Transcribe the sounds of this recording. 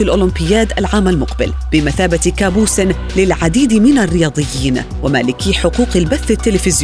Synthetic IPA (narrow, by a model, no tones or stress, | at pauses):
ɪlʔʊːlɪmpɪjːaːt̪ʔalʕaːmalmʊqbɪ̰l | b̥ɪmaθaːbat̪kaːbuːsɪn | lɪlʕad̪iːd̪mɪnarːɪjɑːd̪ˤɨjːiːn | wama̰ːlɪkiːħʊquːqalbaθːat̪ːɪlɪfɪzj